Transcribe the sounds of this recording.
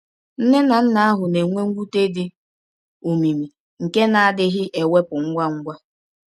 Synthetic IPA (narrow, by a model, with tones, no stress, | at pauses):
n̩˦ne˦na˨n̩˦na˦a˦ɦʊ˨ne˨ŋʷe˦ŋ̩˦ɡʷu˦te˦dɪ˦ | o˨mi˨mi˨ | ŋ̩˨ke˦na˨a˨dɪ˦ɦɪ˦ʔe˨we˦pʊ˨ŋ̩˦ɡʷa˦ŋ̩˦ɡʷa˦